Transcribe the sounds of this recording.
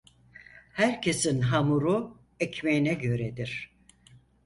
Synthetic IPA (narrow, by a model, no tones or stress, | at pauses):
hæɾcʰe̞sinɦamuɾu | ɛcmejinɛɟø̞ɾɛd̪iɾ̥